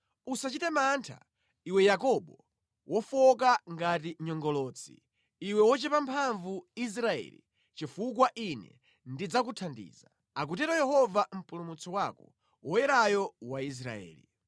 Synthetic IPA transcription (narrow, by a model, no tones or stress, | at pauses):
usat͡ʃitɛmantʰa̰ | iwɛjakɔɓɔ | wʔɔfɔkaŋɡatiɲɔŋɡɔlɔːt͡sʰḭ | iwɛwɔt͡ʃɛpampʰaɱvuis̬ɾaɛ̰ːlḭ | t͡ʃifukwaʔinɛ̰ | ndid͡zakutʰandḭːza | ak̬utɛɾɔjɛɦɔvam̩pulumut͡sʰɔwakɔ | wɔjɛɾajɔwais̬ɾa̰ɛ̰ːlḭ